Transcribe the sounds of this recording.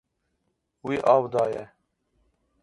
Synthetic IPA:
wiːʔɑːwd̪ɑːjɛ

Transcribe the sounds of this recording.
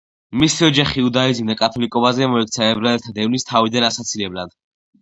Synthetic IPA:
misiɔd͡ʒaχiud̪aid̪zind̪akʼat̪ʰɔlikʼɔbazɛmɔɛk̚ʰt̪sʰaɛbɾaɛlt̪ʰad̪ɛvnist̪ʰavid̪anasat̪sʰilɛblad̪̥

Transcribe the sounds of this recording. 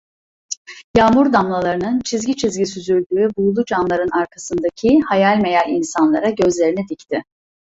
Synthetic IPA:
jaːmuɾd̪amlˠalˠaɾɯnɯnt͡ʃʰizɟit͡ʃʰizɟis̬yzyɾʲd̪yːbujulˠud͡ʒanlˠaɾɯnaɾkʰasɯnd̪acʰihajalʲme̞jalʲinsanlˠaɾaɟø̞zlʲe̞ɾinid̪ict̪ʰɪ

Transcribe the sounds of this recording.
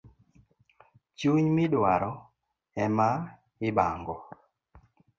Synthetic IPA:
t͡ʃuɲmɪdwaɾɔ | ɛma | ɪbaŋɡɔ

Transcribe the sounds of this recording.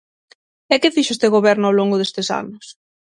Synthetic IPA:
ɛkefiʃʊest̪eɣoβɛɾnʊawloŋɡʊðest̪esa̰nʊs

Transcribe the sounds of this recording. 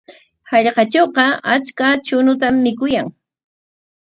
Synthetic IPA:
hɑʎqɑt͡ʃoqɑat͡ʃkat͡ʃʊnʊt̪amːɪkʊjaŋ

